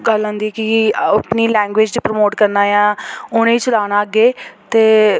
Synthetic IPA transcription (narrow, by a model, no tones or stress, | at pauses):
ɡəlãːnd̪iːɛːkɪpniːlɛ̃ːŋɡʋeːd͡ʒd̪iːpɾmoːʈkəɾnaːjãːʊnẽiːt͡ʃəlaːnaːəɡeːt̪eː